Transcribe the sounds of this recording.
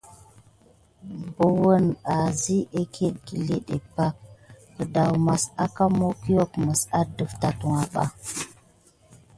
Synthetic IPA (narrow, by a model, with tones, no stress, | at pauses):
bə˨wə˦na˨zi˦ʔe˦kʰe˦ɗ̚ɡi˨le˦ɗḛ˨pa˦k̚ː | ə˨da˨wma˨sa˦ka˦mo˦ki˦jo˦kmə˨sa˦də˨fta˨tu˨ŋa˨ɓa̰˦